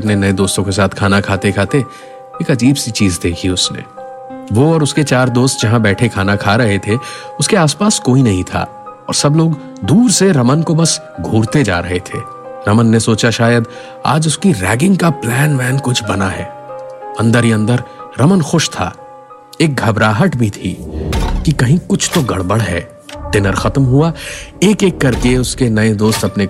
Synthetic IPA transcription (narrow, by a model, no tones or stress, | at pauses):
ɐpnenɐẽd̪oːst̪õkes̬aːt̪ʰkʰaːnakʰaːt̪ekʰaːt̪e | eːkɐd͡ʒiːbsit͡ʃiːzd̪eːkʰiʊsnḛː | ʋoɔːɾʊsket͡ʃaːɾd̪oːst̪̚d͡ʒɐɦãbɛːʈʰekʰaːnakʰaɾɐɦet̪ʰe | ʊskeaːspaːskoːinɐɦĩt̪ʰa̰ː | ɔ̰ːɾsɐbloːɡ | d̪uːɾseɾɐmənkobɐs | ɡʱuːɾt̪ed͡ʒa̰ːɾɐɦet̪ʰḛː | ɾɐmənːesoːt͡ʃaʃaːjəd̪ | a̰ːd͡ʒʊskiɾɛːɡɪ̃ŋɡkaplɛːnʋɛːnkʊt͡ʃʰbɐnaɦɛ̰ː | ɐ̃nd̪əɾɦiɐ̃nd̪əɾɾɐmənxʊʃt̪ʰa̰ː | eːk̚ɡʱɐbɾaːɦəʈbʱit̪ʰiːkikɐɦĩkʊt͡ʃʰt̪oɡɐ̰ɽbəɽɦɛ̰ː | d̪ɪnəɾxɐt̪mɦuaeːkeːkːɐɾkeʊskenɐed̪oːst̪ɐpne